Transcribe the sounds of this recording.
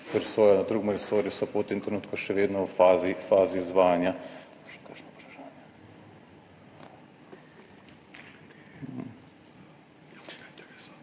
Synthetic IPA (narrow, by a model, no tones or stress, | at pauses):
pɾsoːjanad̪ɾuːɡmɾisoːɾjusɔpot̪ːeːnt̪ɾɛnuːt̪kɔʃɛʋeːd̪nɔfazifaːziːzʋaːjanjḁkaʃnkakʃnapɾaʃanja | m̩